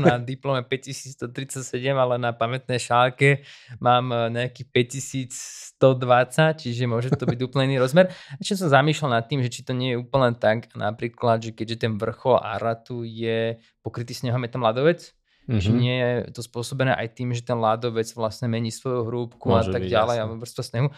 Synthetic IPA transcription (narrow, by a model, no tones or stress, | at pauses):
nad̪iplɔmɛpɛccisiːt͡st̪ɔt̪ɾit͡sacsɛɟɛmalɛnapamɛt̪nɛjʃalkɛmaːmɲɛjakiːpɛc̚cisiːt͡sst̪ɔd̪ʋat͡sact͡ʃiʒɛmʊɔʒɛt̪ɔbiɟuːplɲɛiniɾɔzmɛɾɛʃt͡ʃɛs̬ɔmzamiːʃlalnat̪ːiːmʒɛt͡ʃit̪ɔɲɪɛjɛuːpl̩nɛːt̪akanʔa̰pɾiːklad̪ʒɛkɛɟʒɛt̪ɛnʋr̩xɔla̰ɾat̪ujɛ | pɔkɾit̪iːsɲɛɦɔmjɛt̪ɔmlad̪ɔʋɛt͡s | t͡ʃiɲɪɛjɛt̪ɔspʊɔsɔbɛnɛ̰ːʔa̰jt̪iːmʒɛt̪ɛnlad̪ɔʋɛd͡zʋlasɲɛmɛɲiːsʋɔjuɦɾuːpkuat̪aɡɟalɛjaɔʋr̩st̪ɔsɲɛɦu